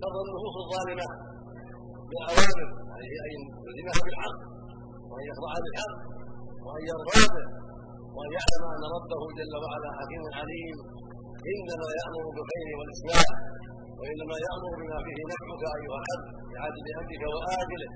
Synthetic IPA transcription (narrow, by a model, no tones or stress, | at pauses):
kɑdˤːɑnːʊsuːsɑðˤːɑːlɪma | bɪlʔawaːmɪɾahiːʔaj | ʊzɪmhabɪlħɑqː | wɪʔanjɑqɾˤɑʕhabɪlħɑqːwɪʔanjɑɾˤɾɑːbɪ | wʔanjaʕlamʔanːɑɾˤɑbːahʊd͡ʒalːawaʕalaːħaqiːmanʕaliːm | ʔɪnːamajaʔmʊɾˤʊbɪlxajɾɪwalʔɪsmaːm | waʔɪnːamajaʔmʊɾbɪmaːfiːhɪnaħmʊkaʔajːʊhalħad̪ː | ɪʕaːd̪ɪbɪʔamdɪkawaʔaːd͡ʒɪl